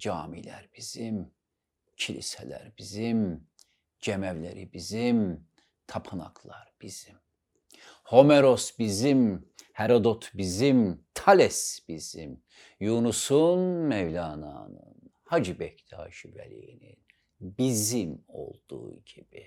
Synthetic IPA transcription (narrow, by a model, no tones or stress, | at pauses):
d͡ʒɑːmilæ̰ɾbiz̥im | cʰilḭsɛlæ̰ɾbizim | d͡ʒemævlḛɾḭbizim | t̪ʰɑpʰɯnɑ̰kʰlˠɑɾb̥iz̥im | ho̞meɾosbizimhɛɾod̪ot̪ʰbizimt̪ʰalɛsbiz̥im | junusunmɛvlʲɑːnɑ̰nɯ̰n | had͡ʒibɛcd̪ʰɑ̰ːʃivæ̰lḭjinḭn | bizimo̞̰lˠd̪̥ṵːɟib̥i